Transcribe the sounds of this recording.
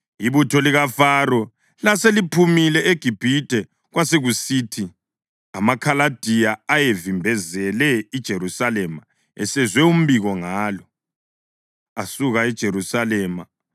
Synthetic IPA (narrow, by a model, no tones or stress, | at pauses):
iβutʰɔliɣafarɔ | laselipʰumilɛeɡ̥ʱib̥ʱid̥ʱɛ | ɣwaseɣusiːtʰi | a̰makʰalad̥ʱijaːjevimbʱɛzɛlɛid̥ʒ̥ʱeɾusalɛma | ɛsɛzwɛum̩βiɣɔŋaːlɔ | asuɣaid̥ʒ̥ʱeɾusalɛːma